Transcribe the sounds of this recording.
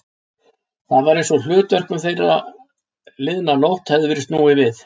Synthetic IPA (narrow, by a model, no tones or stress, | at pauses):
θaðvaɾejnsɔl̥ʏːt̪vœr̥kʏmθejrːa̰ | lɪðnanowl̥t̪hɛðʏvɪɾɪst̪nuːɪvɪθ